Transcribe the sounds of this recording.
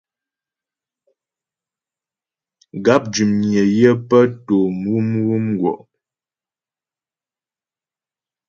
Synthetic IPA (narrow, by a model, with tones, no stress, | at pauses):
ɡa˦p̚d͡ʒʉ˨mɲjə˨jə˦pə˦to˨mwu˦mwu˦mɡwɔ̰˨ʔ